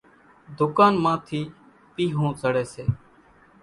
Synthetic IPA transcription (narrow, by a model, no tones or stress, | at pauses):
d̪ʊkaːnmãːt̪ʰiː | piːɦõːzəɽeːseː